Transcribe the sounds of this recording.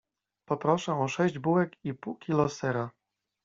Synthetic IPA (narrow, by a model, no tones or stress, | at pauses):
pɔpɾɔʂɛɔʂɛʑd͡ʑbuwɛkipuwkʲilɔsɛɾa